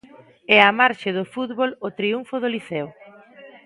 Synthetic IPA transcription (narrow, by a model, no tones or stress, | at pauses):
ɛamaɾʃeðʊfut̪βolot̪ɾiuɱfʊðoliθɛw